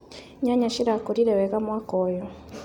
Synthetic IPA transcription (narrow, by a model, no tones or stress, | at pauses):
ɲaɲaʃiɾakɔɾiɾɛwɛɣamwakɔjɔ